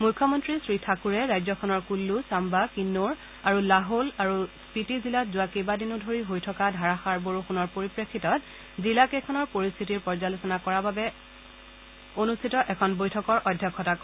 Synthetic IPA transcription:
mujkʰːɔmɔntɹisɹitʰakuɹɛɹajzɔkʰɔnɔɹkulːusambakinːoɹ | aɹulaɦolaɹuspitizilatzʊwakejbadinʊdʱoɹiɦojtʰɔkadʱaɹaxaɹboɹuxunɔɹpoɹipɹekʰːitɔt | zilakekʰɔnɔɹpoɹist̪ʰitiɹpɔɹzalosɔnakɔɹababɛ | onustʰitɔʔɛkʰɔnbojtʰɔkɔɹʔɔdʱjɔkʰːɔtak

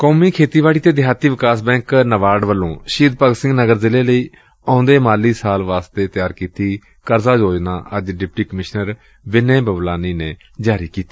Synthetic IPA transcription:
koːmiːkʰeːt̪iːʋaːɽiːt̪eːd̪ɪɦaːt̪iːʋɪkaːsbɛ̃ːŋknəʋaːɖʋəlːõːʃiːd̪̚pəɡsɪ̃ŋɡnəɡəɾzɪleːləiː | ãːnd̪eːmaːliːsaːlʋaːst̪eːt̪jaːɾkiːt̪iː | kəɾzaːd͡ʒoːd͡ʒnã̰ːʔəd͡ʒɖɪp̚ʈiːkəmɪʃnəɾ | ʋɪneːbəblaːniːneː | d͡ʒaːɾiːkiːt̪iː

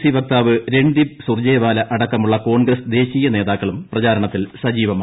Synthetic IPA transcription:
siʋɐk̚t̪aːʋɨɾe̞ɳɖibsurd͡ʑeːjʋaːlɐʔɐɽɐkːɐmuɭːɐko̞ːɳɡrɐsd̪e̞ːɕiːjɐne̞ːðaːkːɐɭumprɐt͡ɕaːɾɐɳɐt̪ːilsɐd͡ʑiːʋɐma

